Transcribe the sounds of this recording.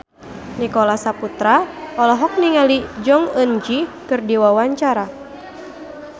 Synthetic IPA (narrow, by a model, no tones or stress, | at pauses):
nikɔlasaput̪ɾaɔlɔɦɔk̚niŋalid͡ʒɔŋənd͡ʒikɨrdiwawaɲt͡ʃaɾa